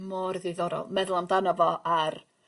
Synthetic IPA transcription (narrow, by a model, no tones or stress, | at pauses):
mɔrðɨðɔɾɔ̰lˠmɛðʊlˠamdanɔvɔʔar